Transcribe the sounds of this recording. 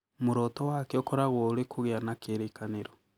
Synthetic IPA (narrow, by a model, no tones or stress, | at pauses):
muɾotowakeokoɾaɣwooɾekʰuɣeanakeɾekaneɾo